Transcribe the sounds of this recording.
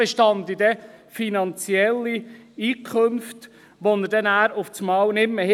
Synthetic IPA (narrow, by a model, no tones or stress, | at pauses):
eʃtɑnd̪idɛfinɑnt͡sjɛlːiiːkʰχømft | ʋonəɾdɛnæːɾʊft͡smɑːwnɪmːəh